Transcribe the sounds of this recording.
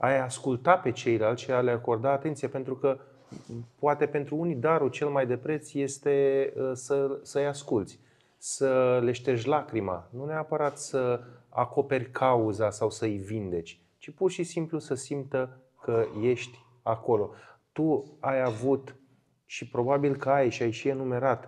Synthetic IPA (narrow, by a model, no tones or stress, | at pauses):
ajaskult̪ape̞t͡ʃe̞jlealt̪ʃealeako̞rd̪aːt̪e̞nt̪sijape̞nt̪ɾukə | poat̪e̞pe̞nt̪ɾuunid̪aɾut͡ʃe̞lmajd̪e̞pɾe̞t̪sje̞st̪e̞əsəsəjaskult̪sʲ | səle̞ʃt̪e̞ʃlakɾima̰nuneapəɾat̪səa̰ko̞pe̞rʲkʰauzasawsəivind̪e̞t͡ʃʲ | t͡ʃipurʃisimplusəsimt̪ə | kəje̞ʃt̪ʲ | ako̞lo̞t̪uajavut̪ | ʃipɾo̞babilkəajʃiajʃie̞nume̞ɾat̪